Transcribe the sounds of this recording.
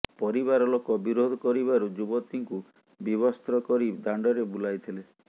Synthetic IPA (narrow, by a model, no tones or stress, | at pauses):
pɔɾiβaɾɔlokɔbiɾod̪ʱɔkɔɾibaɾud͡ʒubɔt̪iŋku | biβɔst̪ɾɔkɔɾid̪aɳɖɔɾebulajt̪ʰile